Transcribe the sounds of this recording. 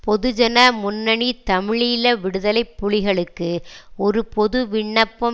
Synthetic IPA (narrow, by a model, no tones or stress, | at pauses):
pɔðɯd͡ʒɐnɐmʊnːɐɳit̪ɐmɪɻɪjɪlɐʋɪɽɯðɐlɐɪpːʊɻɪɣɐɭɯkːɯɔɾɯpɔðɯʋɪɳːɐpːɐ